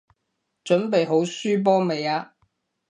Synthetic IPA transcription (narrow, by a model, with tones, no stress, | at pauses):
t͡ʃɵ˨˥npe˨jɦo˨˥wsyː˥p̬ɔː˥me˨jaː˧